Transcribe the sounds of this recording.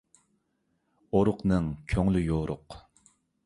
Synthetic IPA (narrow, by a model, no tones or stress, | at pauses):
oɾʊqnɨŋkʲʰøŋlyjoɾʊ̰q